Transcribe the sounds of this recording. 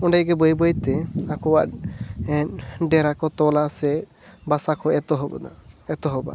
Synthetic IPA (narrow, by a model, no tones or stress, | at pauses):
ɔɳɖajɡɛbɔjbɔjt̪ɛakɔwaʔɛnɖɛɾakɔt̪ɔlasɛ | basakʰɔɛt̪ɔɦɔbɔ̰d̪a̰ɛt̪ɔɦɔba̰